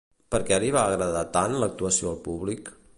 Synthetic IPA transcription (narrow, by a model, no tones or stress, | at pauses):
pəɾkɛɾiβaːɣɾəðat̪anlək̚t̪uəsioəlˠpuβlik